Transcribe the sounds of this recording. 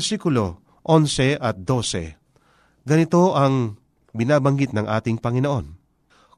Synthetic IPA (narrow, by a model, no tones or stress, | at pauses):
sikʊlo̞ | ʔonsɛʔɐt̪̚d̪o̞sɛ̰ | ɡɐnɪt̪o̞ʔɐŋ | bɪnaːbɐŋɡɪt̪̚nɐŋʔa̰ːt̪ɪŋpɐŋɪnoʔo̞n